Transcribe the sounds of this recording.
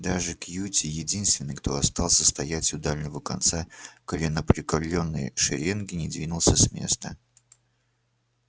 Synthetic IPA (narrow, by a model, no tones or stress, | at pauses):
d̪aʐɨkjutʲɪjɪdʲinst̪vʲɪnːɨjkt̪o̞ɐst̪ɑlˠsʲəst̪ɐjætʲʊd̪alʲnʲɪvəkɐ̰nt̪sakəlʲɪnːəpɾʲɪkɐlʲːo̞nːəjə̰ʂɪ̰ɾʲenɡʲɪnʲɪd̪vʲinʊlˠsʲəsmʲe̞̰st̪ə